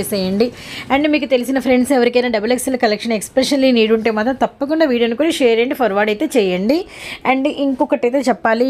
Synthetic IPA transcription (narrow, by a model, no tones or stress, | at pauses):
esɛːjɐɳɖi | ɐɳɖmiːkut̪e̞lisinɐpʰɾe̞ɳɖsɛʋɐɾikɐjnaːɖɐbɐleksɐlɐkɐlekʂɐnekspɾeʂɐnliniːɽuɳʈeːmaːt̪ɐmt̪ɐpːɐkuɳɖaːʋiːɖijɐnukuːnɐʃeːɾeːɳɖipʰɐɾʋaːɖɐjt̪e̞ːt͡ʃɛːjɐɳɖiɐɳɖʔiŋkɔkɐʈɐjt̪eːt͡ʃɛpːaːli